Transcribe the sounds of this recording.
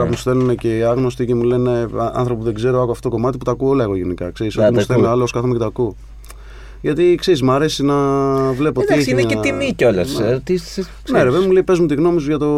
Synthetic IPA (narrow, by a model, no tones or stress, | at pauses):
ɐmust̪e̞luneceɐɣno̞st̪icemule̞ne̞ɐ̰nθɾopuðe̞ɡze̞ɾoɐkuɐft̪ookomɐt̪iput̪ɐkuo̞lɐe̞ɣo̞ʝenikɐ̰kse̞ɾiso̞imust̪elnealooskɐθomeet̪ɐku | ʝɐt̪ikseɾizmɐɾe̞sinɐvle̞pot̪ieçineeimicolɐst̪i | neɾepeðemuleipe̞zmut̪iɣno̞misuʝɐt̪o̞